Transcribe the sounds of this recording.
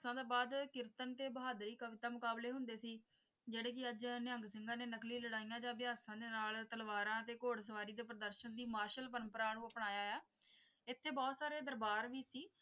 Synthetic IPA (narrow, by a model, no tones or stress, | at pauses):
sãːd̪eːbaːd̪kɪɾt̪ənt̪eːbəɦaːd̪ɾiːkəʋɪt̪aːmʊkaːbleːɦʊnd̪eːsiː | d͡ʒeːɽeːk̬ɪəd͡ʒnɪəŋɡsɪŋɡãːneːnəklĩːləɽaːijãːd͡ʒãːʋɪjaːsãːd̪eːnaːlt̪əlʋaːɾãːət̪eːkoːɽs̬əʋaːɾiːd̪eːpɾəd̪əɾʃənd̪iːmaːɾʃəlpəɾəmpəɾaːnũːəpɳaːjaːɛː | ɪt̪ʰːeːbɔːt̪saːɾeːd̪əɾbaːɾʋiːsiː